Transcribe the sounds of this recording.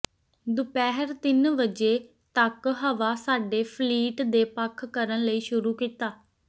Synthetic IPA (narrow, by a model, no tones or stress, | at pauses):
d̪ʊpɛːɦəɾt̪ɪnʋəd͡ʒeː | t̪əkɦəʋaːsaːɖeːpʰliːʈd̪eːpəkʰkəɾənləiːʃʊɾuːkiːt̪aː